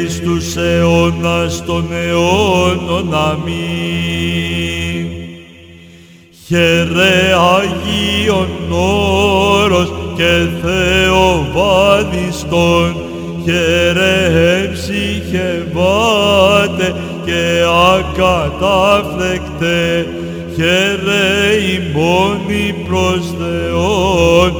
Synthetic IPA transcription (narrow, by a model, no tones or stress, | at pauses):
ist̪useonɐst̪oneononɐmi | çeɾeɐʝionːo | ɾosceθeovɐnist̪on | çɛɾeɦɛmsiçɛva | t̪e | kɛeakat̪aflɛkt̪e | çɛɾeimonipɾoɔst̪eon